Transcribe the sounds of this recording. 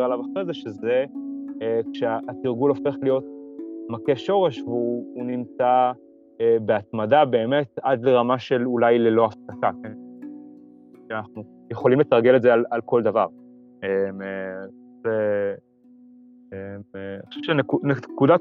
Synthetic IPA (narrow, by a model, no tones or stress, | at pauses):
alavaχʁezeʃeze | kʃeaʔat̪iʁɡulo̞fe̞χlijo̞t̚makeʃo̞ʁe̞ʃveuːnimt͡sa | ebeat̪madabe̞ːme̞tad̪le̞ʁamaʃe̞lulajlelo̞aftakaken | ʃeanaχnu | jeχo̞limlit̪ʁaɡe̞letzealalko̞ld̪avaʁ | eme | ze | emχaʃuvʃenekunekuda